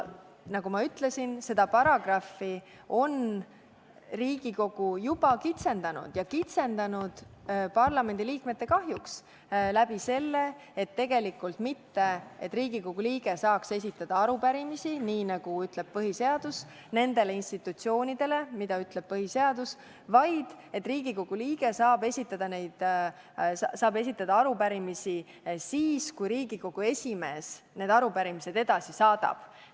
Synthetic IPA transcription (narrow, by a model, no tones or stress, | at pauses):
nɑɡumɑyt̪ˑle̞sinse̞d̪ɑpɑɾɑɡ̥rɑfːi | o̞n | riːɡ̥iko̞ɡ̥ujub̥ɑkit̪se̞nd̪̥ɑnṵd̪̥jɑkit̪se̞nd̪ɑnud̪̥pɑrlɑme̞nd̪̥iliːkmet̪ːe̞kɑɦjuks | læb̥ise̞lːe̞ | et̪ːe̞ɡ̥e̞likːˑult̪mit̪ːe̞et̪ːˑriːɡ̥iko̞ɡ̥uliːɡ̥e̞sɑːkse̞s̬ʲit̪ːˑɑd̪̥ɑɑɾupæɾimisiniːnɑɡ̥uyt̪ˑle̞b̥̚pɤɦise̞ɑd̪̥us | ne̞nd̪̥e̞leinst̪it̪ːˑut̪sio̞ːnid̪̥e̞le̞mid̪̥ɑyt̪ˑle̞b̥̚pɤɦiseɑd̪̥us | vɑjd̪̥ | e̞t̪ːˑriːɡ̥iko̞ɡ̥uliːɡ̥e̞sɑːbe̞sʲit̪ːˑɑd̪̥ɑne̞jd̪̥ | ssɑːbe̞s̬ʲit̪ːˑɑd̪ɑɑɾupæɾimisi | siːskujɾiːɡ̥iko̞ɡ̥ue̞sʲime̞ːs | ne̞ːd̪ɑɾupæɾimise̞d̪e̞d̪ɑsisɑːd̪ɑ̰b̥